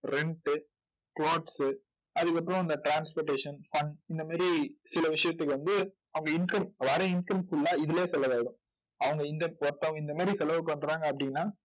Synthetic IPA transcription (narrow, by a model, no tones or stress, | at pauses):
ɾɛɳʈɯ | kloːʈsɯ | ɐðɯkːɐp̬ːɯɾɔ̃ɐnd̪ɐʈɾaːnspoːɾʈːeːʂɐnfɐɳɖɪnd̪ɐmaːd̪ɾisɪlɐʋɪʂɐjɐt̪ːɯkːɯʋɐnd̪ɯ | ɐʋɐŋɡɐɪnkɐmʋaːɾɛɪnkɐmfʊlːaːɪðɯleːsɛlːɐʋaːjɽʊ̃ | ɐʋɐŋɡɐɪnd̪ɐɔɾt̪ːɐʋɐŋɡɐɪnd̪ɐmaːd̪ɾisɛlɐʋpɐɳːɾaːŋɡɐːpːɐɽɪnːaː